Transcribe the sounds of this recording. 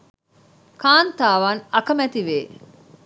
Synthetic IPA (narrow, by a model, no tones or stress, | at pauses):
kaːnt̪aːʋaːnɐkɐmæt̪iʋeː